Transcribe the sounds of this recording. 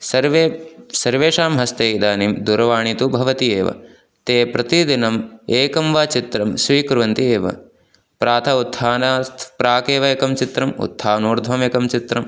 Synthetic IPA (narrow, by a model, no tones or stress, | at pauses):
sɐɾʋesɐɾʋeːʃaːmɦɐst̪eːid̪aːnimd̪uɾɐʋaːɳit̪ubʱɐʋɐt̪ieːʋɐ̰ | t̪eːpɾɐt̪id̪inɐmeːkɐmʋaːt͡ʃit̪ɾɐmsʋiːkɾuʋɐnt̪ieːʋɐ̰ | pɾaːt̪ʰɐut̪ʰhaːnaːst̪ʰpɾaːkeːʋɐeːkɐmt͡ʃit̪ɾɐmṵt̪ʰːaːnuːɾd̪ʱʋɐmeːkɐmt͡ʃit̪ɾɐm